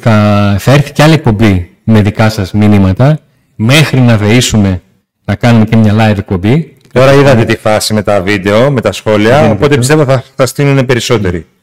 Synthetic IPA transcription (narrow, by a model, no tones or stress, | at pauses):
θɐθɐe̞ɾθi̥ce̞ɐlie̞k̚po̞mbi | me̞ðikɐsɐzminimɐt̪ɐ | me̞xɾinɐve̞isume̞ | nɐkɐnume̞cemɲɐlɐjve̞k̚po̞mbi | t̪o̞ɾɐiðɐt̪e̞t̪ifɐsime̞t̪ɐvid̪e̞o̞me̞t̪ɐsxo̞liɐopo̞t̪epist̪evoθɐfθɐst̪inune̞pe̞ɾiso̞t̪e̞ɾi